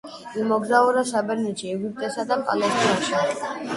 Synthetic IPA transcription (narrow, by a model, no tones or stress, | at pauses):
imɔɡzauɾasabɛɾnɛt͡ʃʰiɛɡip̚t̪ʼɛsad̪apʼa̰lɛst̪ʼiaʃa